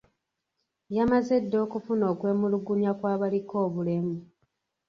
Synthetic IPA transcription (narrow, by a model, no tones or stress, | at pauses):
jamaze̞dːo̞ːkufuno̞ːkwe̞ːmuluɡunjakwaːβaliko̞ːβule̞mu